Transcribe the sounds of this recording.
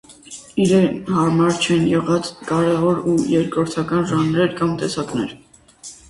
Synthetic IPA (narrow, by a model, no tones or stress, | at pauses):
iɾɛnhɑɾmɑɾt͡ʃʰɛnjɛʁɑt͡skɑɾɛvɔɾujɛɾkɾɔɾt̪ʰɑkɑnʒɑnɾɛɾkɑmt̪ɛsɑknɛɾ